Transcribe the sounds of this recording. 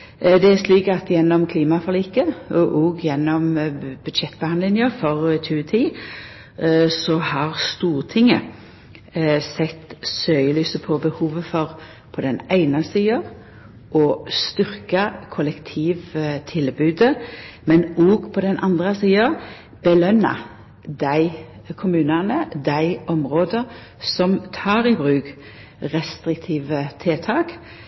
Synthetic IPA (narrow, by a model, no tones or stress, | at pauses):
d̪ɛæsliːkɑt̪jɛnːɔmkʰliːmɑfɔʁliːkəʔoɡjɛnːɔmb̥ʉd̪ʃɛt̪ːbəhɑnlɪnjəfɔʁtʰʉːt̪ʰiː | sɔhɑʁst̪uːʁt̪ʰɪŋə̰ | sɛt̪ːsøəlyːsəpʰɔbəhuːʋəfɔʁ | pʰɔd̪ɛnæɪnəsiːəʁ | ʔɔst̪ʏʁkəkʰɔlɛkt̪ʰiːʋt̪ʰɪlbʉːd̪əmɛnɔːɡpʰɔd̪ɛnʔɑnd̪ʁəsiːəʁ | b̥əlœnːɑ̰ | d̪æɪ | kʰʊmʉːnənəd̪æɪɔmʁoːd̪əʁ | sɔmt̪ʰɑːʁibʁʉːk | ʁɛst̪ʁɪkt̪ʰiːʋət̪ʰeːt̪ʰɑːk